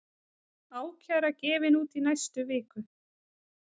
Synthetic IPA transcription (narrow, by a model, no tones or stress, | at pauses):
aːwcʰaɾacɛːvɪnuːt̪inajst̪ʏvɪːkʏ